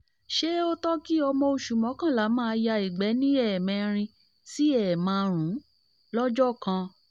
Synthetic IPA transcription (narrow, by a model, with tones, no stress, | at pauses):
ʃe˦o˦tɔ˦ki˦ɔ˧mɔ̃˧o˧ʃu˨mɔ̃˨˦kã˦˨la˨˦mãː˦˧ja˧i˨ɡ͡bɛ˨˦nĩ˦ɛ˦˨mɛ̃˨˧˨ɾ̃ĩ˧ | si˦ɛ˦˨mãː˨˦˧ɾ̃ũ˨˦ | lɔ˦d͡ʒɔ˦˨kã˧